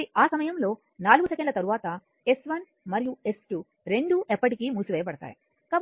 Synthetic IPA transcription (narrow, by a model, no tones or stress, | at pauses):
iʔaːsɐmɐjɐmlo̞ː | naːluɡusɐkeɳɖlɐt̪ɐɾuʋaːt̪ɐ | e̞sʋɐn | mɐɾijue̞sʈu | ɾe̞ɳɖuʔepːɐʈikiːmusuʋɛːjɐpɐɽɐt̪a̰ːji | kaːb